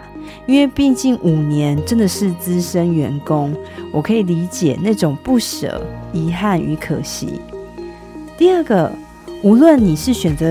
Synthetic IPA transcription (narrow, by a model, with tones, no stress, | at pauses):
i˥nwe˥˧ɪpi˥˧ŋt͡ɕi˥˩nʔu˨˩njɛ˨˧˦nʈ͡ʂə˦nd̪ə˨ʂɻ̩˥˨t͡sɹ̩˦ʂə˦nɥɛ˧˥nkʊ˦ŋwɔ˨˩kʰɤ˧˥i˨˩li˧˥t͡ɕjɛ˨˩na˥˩ʈ͡ʂʊ˨˩ŋpu˥˩ʂə̰˨˩ʊi˧˥xa˥˩ny̰˧˥kʰə̰˨˩ɕḭ˧˥˦ | t̪i˥˧ə˥˩ɡə˨ | u˧˥lwə˥˨nːi˨˩ʂɻ̩˥˩ɕɥɛ˨˩nt͡sə˨˦